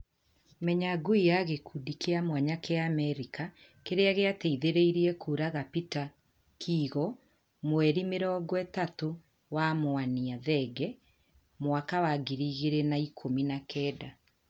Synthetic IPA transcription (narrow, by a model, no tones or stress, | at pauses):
mɛɲaɡoijaɣekʰuːdikeamwaɲakeaːmɛɾika | keɾeaɣeateiðeɾeiɾiɛkʰuːɾaɣapita | kʰiːɣɔ | mwɛɾimeɾɔɡwɛtato | wamoaniaðɛɡɛ | mowakawaɡiɾiːɣeɾenaikʰominakɛːda